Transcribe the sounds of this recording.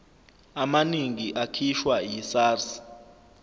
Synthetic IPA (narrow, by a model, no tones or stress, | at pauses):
amaniŋiʔakʰiʃwajisaːrs